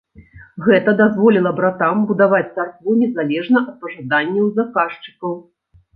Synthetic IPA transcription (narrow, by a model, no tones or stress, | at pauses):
ɣɛt̪ɐd̪azvɔlʲilˠɐbɾat̪ambud̪avat͡sʲt̪sarkvunʲɛzalʲɛʐnɐʔɐt̪̚pɐʐad̪anʲːɛwzakaʂt͡ʂɨ̥kɐw